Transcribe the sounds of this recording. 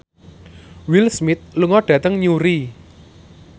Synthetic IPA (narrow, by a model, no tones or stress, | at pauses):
wilsmɪt̪̚luŋɔɖ̥ä̤t̪əŋɲuɾi